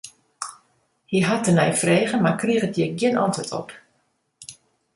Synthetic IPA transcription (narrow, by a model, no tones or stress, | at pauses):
hiɦatənɛjfreːɣəmakriəɣətjɪɡjɪənɔ̰ntwətʰɔ̰p